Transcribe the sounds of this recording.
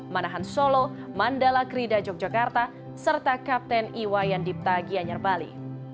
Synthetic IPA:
manaɦansolɔ | mandalakɾidad͡ʒɔk̚d͡ʒakart̪a | sərt̪akap̚t̪ɛniwajandip̚t̪aɡiaɲarbalḭ

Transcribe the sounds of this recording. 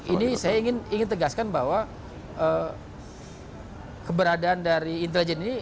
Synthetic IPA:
inisajaiŋɪniŋɪnt̪əɡaskanbaɦwa | ʔə | kəbəɾadaːndaɾiːnt̪̬elid͡ʒɛnini

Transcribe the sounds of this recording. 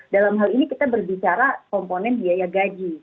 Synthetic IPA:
dalamɦalinikit̪abərbit͡ʃaɾakɔmponɛndiajaɡad͡ʒi

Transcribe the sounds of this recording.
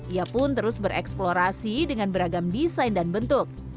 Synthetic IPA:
iapʊnt̪əɾʊsbəɾʔɛ̰ksploɾasidəŋanbəɾaɡamdisajndanbənt̪ʊk̚

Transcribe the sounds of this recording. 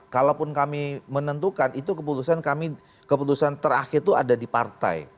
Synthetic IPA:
kalawpʊnkamimənənt̪ukanit̪ukəp̬ut̪usankami | kəput̪usant̪əɾa̰xɪrt̪ua̰dadipa̰rt̪a̰j

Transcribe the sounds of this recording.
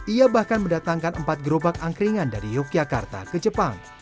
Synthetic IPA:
ʔiabahkanməndat̪aŋkanəmpat̪̚ɡəɾobak̚aŋkɾiŋanda̰ɾijokiaka̰rt̪a̰kəd͡ʒəpaŋ

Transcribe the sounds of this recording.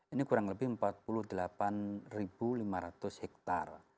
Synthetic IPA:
inikuɾaŋləbɪhəmpat̪̚puluhd̪əlapanribulimaɾat̪ʊshɛk̚t̪a̰r

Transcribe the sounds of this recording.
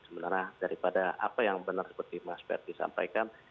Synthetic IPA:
səbənarladaɾipadaʔa̰pajaŋbənarsə̥pərt̪imaspɛ̰r̚disa̰mpa̰jkan

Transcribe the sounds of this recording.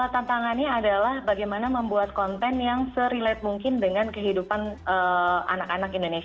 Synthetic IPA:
ət̪ant̪aŋanɲaːdalahbaɡajmanaməmbuat̪̚kɔnt̪ɛnjaŋsəɾilɛt̪̚muŋkɪndəŋankəɦidupanəa̰nakanakindones

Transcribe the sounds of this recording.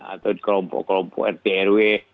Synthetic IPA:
a̰t̪od̪klɔmpɔ̰ʔklɔmpɔ̰ʔɛrt̪eɛɾuwe

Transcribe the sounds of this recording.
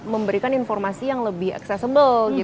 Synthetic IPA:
məmbəɾikaninfɔrmasijaŋləbɪha̰ksɛsəbəlɡi

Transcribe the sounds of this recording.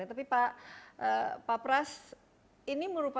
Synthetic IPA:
at̪apipaʔəpapɾas | iniməɾupa

